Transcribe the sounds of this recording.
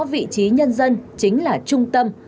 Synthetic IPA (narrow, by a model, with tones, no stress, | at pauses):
vḭ˧˨t͡ɕi˨˦ɲə˧nzə˧nt͡ɕï˨˦ŋ̟laː˨˩t͡ɕʊ˧ŋ͡mt̪ə˧m